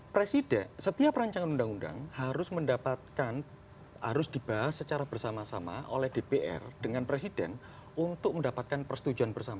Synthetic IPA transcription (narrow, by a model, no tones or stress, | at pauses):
pɾesidɛsət̪iapɾaɲt͡ʃaŋanundaŋunda̰ŋhaɾʊsməndapat̪̚kan | ha̰ɾʊsd̥ib̥aɦasət͡ʃaɾab̥ərsamasama̰ʔo̰lɛhd̥epeʔɛ̰rd̥əŋanpɾesid̥ɛ̰n | unt̪ʊk̚məndapat̪̚kanpərsət̪ud͡ʒuanbərsama